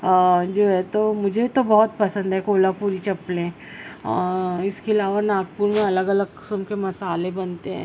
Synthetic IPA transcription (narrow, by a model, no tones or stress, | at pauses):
d͡ʒoːɦɛt̪omʊd͡ʒʱet̪obɔɦʊt̪pɐsə̃nd̪ɦɛkoːlapuːɾit͡ʃɐplẽ | ɔːɾɪskeɐlaːʋanaːɡ̚puːɾmẽɐləɡɐləɡkɪ̥səmkemɐsaːlebɐnt̪eɦɛ̰̃ː